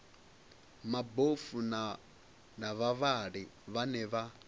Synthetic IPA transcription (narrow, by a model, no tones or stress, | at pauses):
mabofun | naβaβaɺiβanɛβa